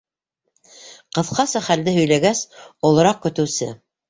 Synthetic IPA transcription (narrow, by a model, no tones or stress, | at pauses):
qɤ̆θqɑsɑχæld̪ɘɦɵ̆jlæɡæsŏlˠɤ̆ɾɑq̚kɵ̆t̪ɘ̆wsɘ